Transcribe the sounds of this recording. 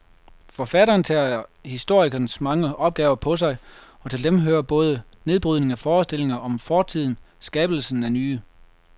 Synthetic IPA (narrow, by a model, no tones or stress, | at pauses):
fɒ̽fæɾɐːnt͡sʰæːhisd̥o̝ɐ̰iɡ̥ɐnəsmɑ̈ŋəʔɒ̽b̥̚ɡ̥ɛːʊɐpʰɒ̽s̬ɑ̈ɪ | ɒ̽t͡sʰe̝ld̥emɦøːɐb̥ɔ̽ːð̞ˠə | ne̝ð̞ˠb̥ʁyðˠne̝ŋæfɒːsd̥e̝l̰e̝ŋɐʔɒ̽mfɒːt͡sʰið̞̰ˠn̩ | sɡ̥ɛːb̥l̩sn̩ænyː